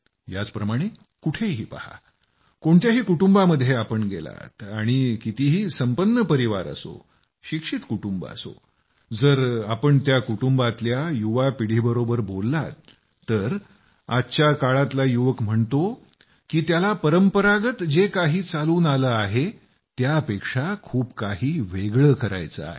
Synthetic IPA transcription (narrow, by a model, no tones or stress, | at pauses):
ja̰t͡spɾəmaɽ̃e | kuʈʰeɦiːpaha̰ | koɳt̪jaɦiːkuʈumbaməd̪ʱjeapəɳɡḛla̰t̪aɽ̃ikit̪iɦiːsəmpənːəpəɾiʋaɾə̰so̰ | ɕikʂiːt̪kuʈumba̰so̰ | d͡zəɾapəɳt̪jakuʈumbat̪ljajuʋapiɽ̤iːbəɾobəɾbolːat̪ː | əɾ | att͡ɕakaɭat̪lajuʋəkm̤əɳt̪o | kiːt̪jalapəɾəmpəɾaɡət̪d͡ʑekaɦiːt͡saluːnaləaɦe | t̪jaəpekʂakʰuːbkaɦiːʋeɡɭəːkəɾa̰jt͡sə̰a̰ɦḛ